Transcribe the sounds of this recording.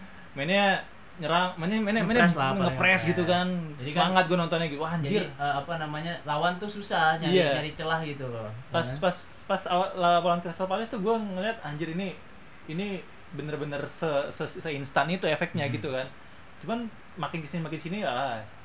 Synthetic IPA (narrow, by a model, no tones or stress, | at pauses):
mɛnɲa | ɲəɾaŋmanɲamɛnɲamɛnɲaŋəpɾɛsɡit̪ukansəmaŋat̪̚ɡuanɔnt̪ɔnɲaɡit̪uwaaɲd͡ʒɪrəapanamaɲalawant̪ususahɲaijad͡ʒaɾit͡ʃəlahɡit̪ulopaspas | pasaalaapawant̪iɾasapalɪst̪uɡuɛŋəliɦat̪̚aɲd͡ʒɪɾini | ini | bənərbənərsəsəsəinst̪anit̪uefɛk̚t̪̚ɲaɡit̪ukan | t͡ʃuman | makɪnkəsnmakɪnsiniala